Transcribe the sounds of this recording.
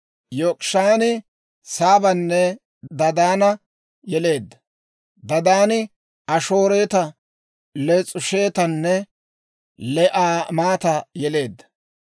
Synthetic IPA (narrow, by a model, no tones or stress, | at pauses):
joːkʼʃaːnɪ | saːbɐnːɛ | d̪ɐd̪aːnɐ | jɛle̞ːd̪ːɐ̥ | d̪ɐd̪aːnɪ | ɐʃoːɾeːt̪ɐ | lɛt͡sʼʊʃeːt̪ɐnːɛ | lɛʔaːmaːt̪ɐjɛle̞ːd̪ːɐ̥